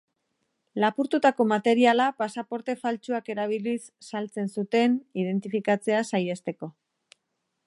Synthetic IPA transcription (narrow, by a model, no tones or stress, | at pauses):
lapuɾt̪ut̪ako̞mat̪e̞ɾialapasapo̞ɾt̪e̞falt͡ʃuake̞ɾaβ̞ilisːalt͡se̞nsut̪e̞niðe̞nt̪ifikat͡se̞asaje̞st̪e̞ko̞